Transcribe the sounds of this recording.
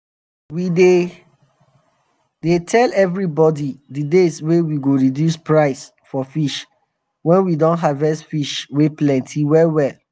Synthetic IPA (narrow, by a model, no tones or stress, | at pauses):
wide | detʰɛlɛvɹibɔdidədeswewiɡoɹidjuspɹaɪs | fɔfiʃ | wɛ̃nwidɔ̃ntɦavɛstfiʃweplɛ̃ntʰiwɛwɛl